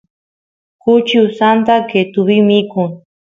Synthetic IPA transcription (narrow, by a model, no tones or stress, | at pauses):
kʊt͡ʃiwsant̪aket̪uβimikʊŋ